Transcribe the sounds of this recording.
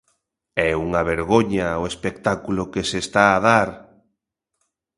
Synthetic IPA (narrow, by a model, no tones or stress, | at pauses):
ɛuŋaβeɾɣoɲaoespek̚t̪akulokesest̪aːðaɾ